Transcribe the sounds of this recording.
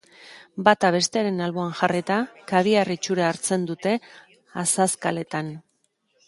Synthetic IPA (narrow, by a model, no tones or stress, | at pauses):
bat̪aβe̞st̪e̞aɾe̞nalβo̞anʝaret̪akaβ̞iarit͡ʃuɾaːɾt͡se̞nd̪ut̪e̞ | asaskale̞t̪an